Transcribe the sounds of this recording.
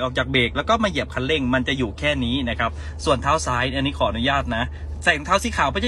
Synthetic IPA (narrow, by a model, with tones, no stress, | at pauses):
jʔɔː˨˩k̚t͡ɕaː˨˩k̚beː˨˩k̚lɛː˦˥wkɔː˥˩maː˧ji˨˩p̚kʰa˧nle˥˩ŋma˧nt͡ɕa˨˩juː˨˩kʰɛː˥˩niː˦˥na˦˥kʰa˦˥p̚ | su˨˩ənt̪ʰaː˦˥wsaː˦˥ja˧nːiː˦˥kʰɔː˩˦ʔa˧nu˦˥jaː˥˩t̪̚na˦˥ | sɛ˨˩˦ŋt̪ʰaː˥˩wsiː˧˩kʰaː˨˦wpʰɔː˧˥˩t͡ɕa˧˩